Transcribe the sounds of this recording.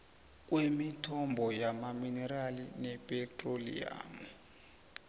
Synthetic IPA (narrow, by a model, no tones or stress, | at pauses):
k̬ʼwemitʰɔmbʱɔjamaminɛɾalinɛpʼɛtʼrolḭa̰mɔ